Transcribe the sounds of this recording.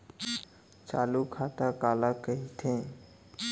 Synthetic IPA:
t͡ʃa̰ːlukʰaːt̪akaːlakəit̪ʰẽ

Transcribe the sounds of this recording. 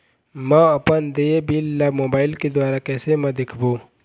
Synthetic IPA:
mə̃ɐpənd̪ebiːlːamoːbaːɪlked̪waːɾakɛːsemɐ̃d̪ekʰboː

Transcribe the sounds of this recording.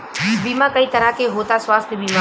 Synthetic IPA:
biːmãkəiːt̪əɾakeɦoːt̪asʋaːst̪ʰjəbiːma

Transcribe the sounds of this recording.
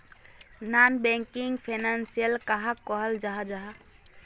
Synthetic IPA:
nanbɛ̃ŋkɪŋɡpʰenansijəlkaɦakɔɦəld͡ʒaɦad͡ʒaɦa

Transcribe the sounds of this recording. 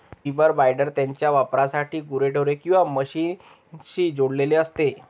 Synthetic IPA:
pibəɾbajɖəɾt̪jaɲt͡ɕjaʋapɾasaʈʰiːɡuɾeʈəʋɾekĩw̃ʋaməɕiːn | ɕiːd͡zoɽleleəst̪e

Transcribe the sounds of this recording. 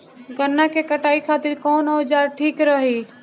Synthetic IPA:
ɡənːakekəʈaːikʰaːt̪ɪɾkoːnoːd͡ʒaːɾʈʰiːkɾəɦiː

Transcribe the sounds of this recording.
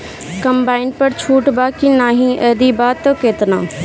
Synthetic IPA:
kɐmbaːɪɳɖ̚pɐɾt͡ɕʰuːʈbaːkinaːɦĩʔɛːd̪ibaːt̪ːokeːt̪nã̰ː

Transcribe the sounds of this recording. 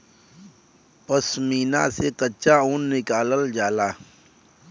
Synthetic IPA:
pəsmiːna̰sekət͡ʃaunːɪkaːləld͡ʒaːlaː

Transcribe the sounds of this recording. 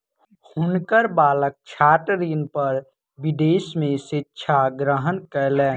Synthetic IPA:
hʊnkəɾbaːlək̚t͡ʃʰaːʈɾiːnpəɾ | bɪd̪eːsmẽʃɪtːʃʰaɡɾəɦənkəlɛː

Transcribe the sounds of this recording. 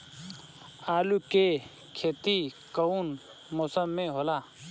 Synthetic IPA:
aːluke | kʰeːt̪i | kəun | moːsəmːẽɦoːlaː

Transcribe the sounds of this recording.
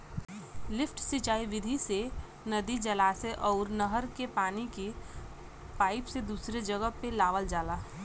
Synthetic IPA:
lɪfʰʈsit͡ʃaːiʋɪd̪ʱise | nɐd̪id͡ʒɐlaːseʔɔːɾnəɦəɾkepaːnike | paːɪpsed̪uːsɾed͡ʒəɡəɦpelaːʋəld͡ʒaːlaː

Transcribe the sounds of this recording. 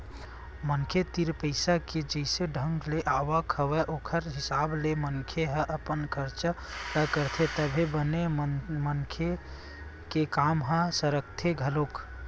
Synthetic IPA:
mənkʰet̪iɾpəɪsaked͡ʒəɪseɖʱə̃ŋɡleʔawakʰəwɛʔoːkʰəɾɦɪsaːbleməŋkʰeɦə̃ʔəpənkəɾt͡ʃat̪əkəɾt̪ʰet̪əbʱebənemənkʰe | kekamɦə̃səɾəkt̪ʰeɡʱəlok

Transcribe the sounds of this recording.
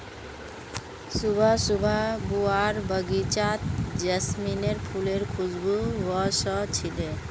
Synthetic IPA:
subʱasubʱabuaɾbəɡit͡ɕat̪̚d͡ʑəsmineɾpʰuleɹkʰuzbuwɔsɔt͡ɕʰile

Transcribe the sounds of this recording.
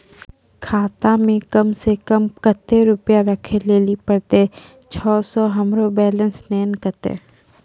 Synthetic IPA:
kʰaːt̪amẽkɐmsekəmkət̪ːeɾʊpjaɾəkʰeleːlipəɽt̪e | t͡ʃʰɔːsɔɦɐmɾobɛːlə̃nsnɛːnkət̪ḛː

